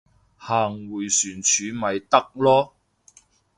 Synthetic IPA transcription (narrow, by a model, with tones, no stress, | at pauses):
haː˨˩ŋwuː˨˩jsyː˨˩nt͡ʃʰyː˨˧˥mɐ˨˧jt̪ɐ˥k̚lɔː˥